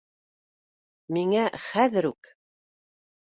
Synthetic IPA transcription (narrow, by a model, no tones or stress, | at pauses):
miŋæχæðɘɾʉk